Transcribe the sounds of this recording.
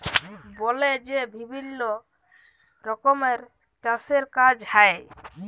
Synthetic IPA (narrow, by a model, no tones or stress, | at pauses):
bɔled͡ʒebʱibʱilːo | ɾɔkɔmeɾ | ʈaseɾkad͡ʒhae